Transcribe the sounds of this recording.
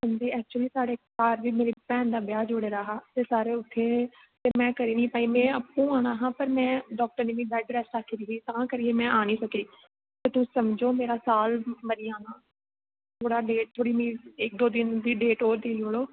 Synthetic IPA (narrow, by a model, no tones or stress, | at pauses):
sənd͡ʒ̪iːɛːk̚t͡ʃuliːsaːɽeːkaːɾʋiːmeːɾiːpɛ̃ːnd̪aːbjaːd͡ʒʊɽeːɾaːɦaːt̪eːsaːɾeːʊt̪ʰːeː | t̪eːmɛ̃ːkəɾiːnĩːpaːiːmɛ̃ːəpːũːaːnaːɦãːpəɾmɛ̃ːɖɔːk̚ʈəɾnẽːʋĩːbɛːɖɾɛːsaːkʰːiːɾiɦiːt̪ãːkəɾiːeːmɛ̃ːaːñĩːsəkiː | t̪eːt̪ʊ̃səmd͡ʒoːmeːɾaːsaːlməɾɪjãːnãː | t̪ʰoːɽaːɖeːʈ̚t̪ʰoːɽiːmĩːɪk̚d̪oːd̪ɪnd̪iːɖeːʈoːɾd̪eːiːɦoːɽoː